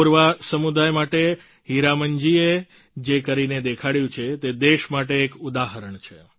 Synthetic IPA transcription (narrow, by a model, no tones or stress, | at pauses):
uɾʋasəmud̪ajmaʈe | ɦiɾaməɲd͡ʒie | d͡ʒekəɾined̪ekʰaɽjũt͡ʃʰet̪ed̪eʃmaʈeːkud̪aɦəɾəɳt͡ʃʰe